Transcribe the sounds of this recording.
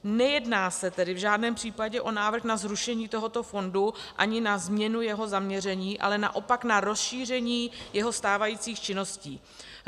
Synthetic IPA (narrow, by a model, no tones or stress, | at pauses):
nɛjɛdnaːsɛt̪ɛdɪvʒaːdnɛːmpr̝̥iːpaɟɛʔo̞naːvr̩xnazɾuʃɛɲiːt̪o̞ɦo̞t̪o̞fo̞nduʔa̰ɲɪnazmɲɛnujɛɦo̞zamɲɛr̝ɛɲiːʔa̰lɛna̰ʔo̞paknaɾo̞sʃiːr̝ɛɲiːjɛɦo̞st̪aːvajiːt͡siːxt͡ʃɪno̞sciː